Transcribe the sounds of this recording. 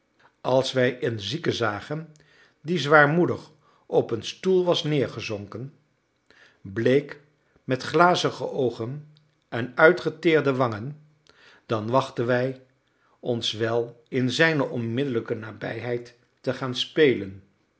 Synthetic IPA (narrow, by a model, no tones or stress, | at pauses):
ɑlˠsʋɛjənzikəzaːχən | dizʋaːɹmudəχ | ɔpənstulˠʋɑsnɪːɹχəzɔŋkən | blejk | mɛtχlaːzəχə̰ʔowχən | ɛnœɥtχətɪːɹdəʋɑŋən | d̥ɑnʋɑχtənʋɛj | ɔnsʋɛlˠ | ɪnzɛjnəʔɔnmɪdələkənaːbɛ̰jɦɛjtː | əχaːnspejlən